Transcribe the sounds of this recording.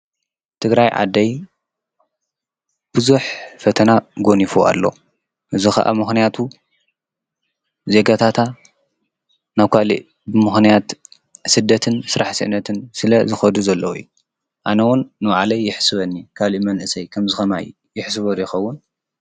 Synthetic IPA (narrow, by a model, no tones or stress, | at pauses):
t̪ʰɨɡɾajʕa̰d̪ːɐj | b̥ɨzuħfɐt̪ʰɐnaɡo̞nifua̰lːo̞ | ʔɨzixɐ̰ʔa̰mɨxnijat̪ʰu | ze̞ɡat̪ʰat̪ʰa | naβkʰalḭʔ | bɨmɨxnijat̪ | sɨd̪ːɐt̪ʰɨnsɨɾaħsɨ̰ʔɨnːɐt̪ʰɨnsɨlɐzɨxɐd̪uzɐlːɐwjːu | ʔanɐwʊnːɨwaʕlɐjːɪħsɨβɐnːikʰaliʔmɐnʔɨsɐjkʰɐmzɨxɐmaj | jɪħs̬ɨβɐd̪jɪxɐwːʊn